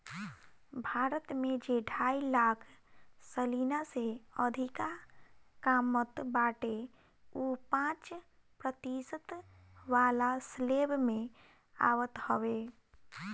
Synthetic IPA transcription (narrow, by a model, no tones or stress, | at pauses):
bʱaːɾət̪mẽd͡ʒeɖʱaːilaːkʰsəlinaseəd̪ʱikakaːmət̪baːʈe | upãːt͡ʃ | pɾət̪isət̪ | ʋaːlasleːbmẽ | a̰ːʋət̪həwe